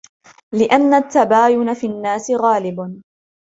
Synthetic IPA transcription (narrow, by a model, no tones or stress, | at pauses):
lɪʔanːat̪ːabaːjʊnafinːaːsɪɣaːlɪb